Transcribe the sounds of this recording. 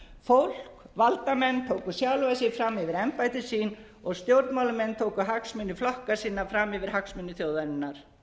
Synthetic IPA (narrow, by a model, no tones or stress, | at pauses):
fowl̥k | valt̪amɛnːt̪ʰoːwkʏsjawlvajsɪfɾamːɪvɪɾɛmpajt̪ɪsiːn | ɔɣst̪jowɾt̪mawlʏmɛnːt̪ʰoːwkʏɦaksmʏnːʏflɔhkasiːnafɾamɪvɪɾ̥haksmʏnːʏθjowðaɾɪnːaɾ̥